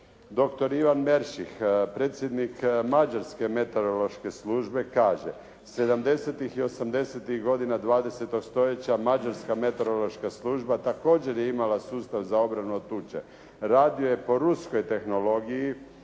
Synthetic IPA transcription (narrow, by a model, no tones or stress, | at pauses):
d̪o̞kt̪o̞ɾiʋanmeɾʃixpɾeːt̪sʲjed̪nikmad͡ʒaɾske̞me̞t̪o̞ɾolo̞ʃke̞sluːʒbe̞kaːʒe | se̞d̪amd̪e̞set̪ixio̞samd̪e̞set̪ixɡo̞d̪inad̪ʋaːd̪e̞set̪o̞ɡst̪o̞je̞t͡ɕamad͡ʒaɾskame̞t̪o̞ɾolˠo̞ʃkaslˠuːʒbat̪ako̞ːd͡ʑe̞ɾjeimalasuːst̪aʋzao̞bɾanuot̪ut͡ʃḛ | ɾaːd̪ioje̞po̞ɾusko̞jt̪e̞xno̞lo̞ɡiji